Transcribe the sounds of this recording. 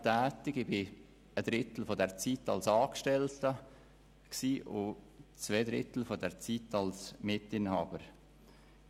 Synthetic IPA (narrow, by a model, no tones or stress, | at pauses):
tɛːtɪɡɪbɪ | əd̥ɾɪtl̩fɔdɛʁt͡sitɑ̰lsɑːkʃtɛltə | ksiːʔʊ | t͡sveɪdɾɪ̰tl̩fɔdɛʁt͡sitɑlsmɪtɪnhɑːb̥əɾ